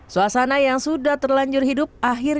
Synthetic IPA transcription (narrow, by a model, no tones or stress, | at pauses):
suasanajaŋsudaht̪ərlaɲd͡ʒʊrhidʊp̚aɦɪr